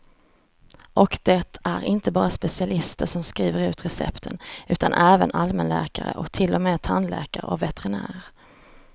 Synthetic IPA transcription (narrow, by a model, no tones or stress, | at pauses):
ʔɔkd̪ɛt̪ʰæɾɪnt̪əbɑːɾaspɛsɪalɪst̪əʂɔmskɾiːvəɾʉ̟ːt̪ɾɛsɛ̰pt̪ʰənʉ̟ːt̪anʔɛːvənʔalmɛnlæ̰ːkaɾə̰ʔɔkt̪ʰɪlːɔmeːt̪ʰanlɛ̰ːkaɾə̰ɔvɛt̪ɛɾɪnæ̰ːɾaɾ